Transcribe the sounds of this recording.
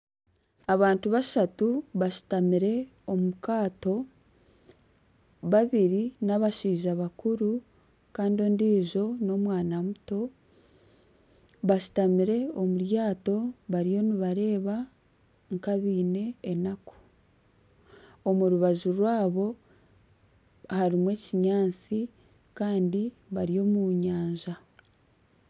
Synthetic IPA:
aβaːntuβaʃatuβaʃu̥tamiɾe̞o̞mukaːto̞ | βaβiɾinaβaʃiːʒaβakuɾu | kaːndio̞ːndiːʒo̞no̞mwaːnamuto̞ | βaʃu̥tamiɾe̞o̞muɾjaːto̞βaɾijo̞niβaɾe̞ːβa | ŋkaβiːne̞ːnako̥ | omuɾuβaʒuɾwaːβo̞ | haɾimwe̞ciɲaːnt͡si | kaːndi | βaɾijo̞ːmuɲaːɲʒa

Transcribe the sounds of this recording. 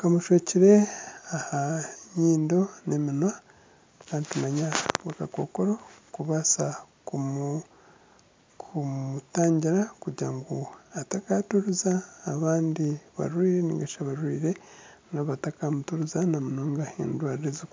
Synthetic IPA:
kamuʃeciɾe̞ahaɲiːndo̞ne̞minwa | kantumaɲaβakako̞ːko̞ɾo̞kuβasa | kʰumutaːɲɟiɾakuɾɟiɾaŋɡoatakatuɾuzaːβaːndiβa̰ɾwiːɾe̞nḭŋɡaʃaβaɾwiːɾe̞naβatakamutuɾuzanamunoːŋɡaḛndwaːɾiɾezik

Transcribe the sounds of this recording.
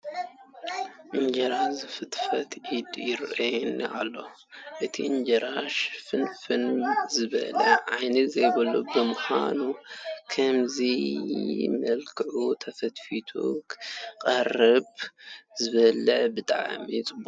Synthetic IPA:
ʔɨnd͡ʒɐɾazɨfɨt̪fɐt̪ʰʕid̪jɪɾʔɐjn̰ʔa̰lːo̞ | ʔɨt̪ʰḭɨnd͡ʒɐɾaʃfɨnfɨnzɨβɐ̰lɐ̰ʕajnɨzɐjbɐlubɨmʊħa̰nukʰɐmzi | mɐlkʰɨʕut̪ʰɐfɐt̪fit̪ʰo̰kqʼɐrɨbzɨβɐlɐʕbɨt̪ʼa̰ʕ̰mit͡sʼɨbu

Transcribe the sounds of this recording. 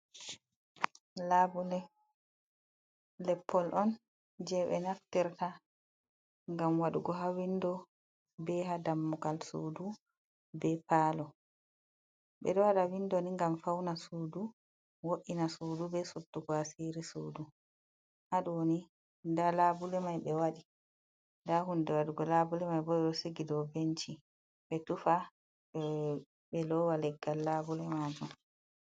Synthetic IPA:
labulɛ | lɛpʰːɔlʔɔn | d͡ʒɛɓɛ̰naftɛɾta | ŋɡamwaɗuɡɔɦawindɔ | bɛɦadamːɔɡalsṵːdu | bɛpaːlɔ | ɓɛ̰ɗɔwaɗawindoniŋɡamfawnasuːdu | woʔinasuːdubɛsudːuɡɔasiɾisuːdu | haɗuwoni | ndalabulɛmajɓɛwaɗi | ndaɦundɛwaɗuɡɔlabulɛmajbɔɛɗɔseɡidɔbent͡ʃi | ɓɛtufa | ɓɛlɔwalɛɡːalːabulɛmaːd͡ʒum

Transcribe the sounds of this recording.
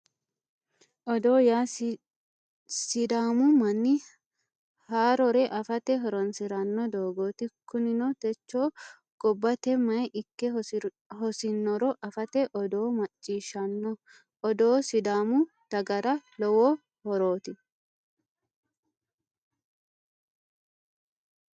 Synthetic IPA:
ʔɔd̪oːjaːs | sɪd̪aːmʊmɐnːɪ | haːɾɔɾɛʔɐfɐt̪ɛɦɔɾɔnsɪɾɐnːɔd̪oːɡoːt̪ɪkʊnɪnɔt̪ɛt͡ʃːoː | ɡ̥ɔbːɐt̪ɛmɐjʔɪkːɛ | ɦɔsɪnːɔɾɔʔɐfɐt̪ɛʔɔd̪oːmɐt͡ʃʼːiːʃɐnːɔ | ɔd̪oːsɪd̪aːmʊ | t̪ɐɡɐɾɐlɔwɔ | hɔɾo̞ːt̪ɪ

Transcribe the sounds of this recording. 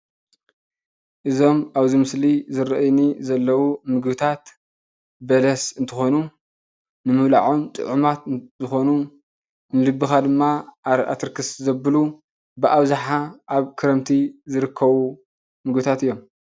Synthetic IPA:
ʔɨzo̞maβzimɨslizɨɾɐʔjnizɐlːɐwumɨɡbɨt̪ʰat̪ | bɐlɐsɨnt̪ʰɨxo̞nu | nɨmɨβla̰ʕunt̪ʼɨ̰ʕumat̪zɨxo̞nu | nɨlɨbːɨxad̪ɨmːaʔaɾʔa̰t̪ʰɨɾkʰɨszɐbɨlu | bɨʔaβzaħaʔaβkʰɨɾɐmt̪ʰizɨɾɨkʰːɐβu | mɨɡbɨt̪ʰat̪ɨjːo̞m

